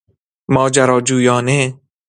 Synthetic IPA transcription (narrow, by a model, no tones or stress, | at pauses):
mɒːd͡ʒaɾɒːd͡ʒuːjɒːne